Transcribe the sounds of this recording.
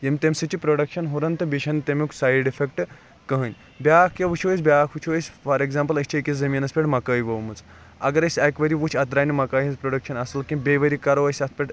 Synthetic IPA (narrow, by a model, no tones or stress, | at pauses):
jemʲt̪emʲsɨt͡ʃipɾoɽɐkʃɐnɦoɾɐnt̪ɨbiʃʰɐnt̪emʲuku̥sajɖifʰekʈ | kɐɦɨnʲ | bʲjakʰeʋut͡ʃʰosʲbʲaːkʰʋut͡ʃʰosʲfɐɾeɡzampɐlɐsʲt͡ʃʰikʲiszɐmiːnɐspʲeʈmɐkɐjiʋɐʋmɨt͡s | ɐ̰ɡɐɾɐsʲakʋɐɾiʋut͡ʃʰɐt̪ɾaːnimɐkaːint͡spɾoɖɐkʃɐnɐsɨlkʲĩbʲeʋɐɾikɐɾoʋɐsʲɐt̪̚ʰpʲeʈ